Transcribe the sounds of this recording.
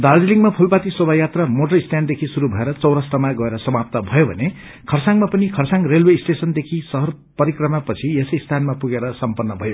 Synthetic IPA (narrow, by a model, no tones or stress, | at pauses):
d̪ard͡ziliŋɡmapʰulpat̪isobʱajat̪ramoʈʌrist̪ʰjand̪ekʰisuɾubʱʌeɾʌt͡sʌwɾʌsʈʌmaɡʌeɾʌsʌmap̚t̪ʌbʱʌjobʱʌne | kʰʌrsãŋmapʌnikʰʌrsãŋrelwesʈesʌnd̪ekʰisʌɦʌr | pʌɾikrʌmapʌt͡sʰiesʌjst̪ʰanmapuɡeɾʌsʌmpʌnːʌbʱʌjo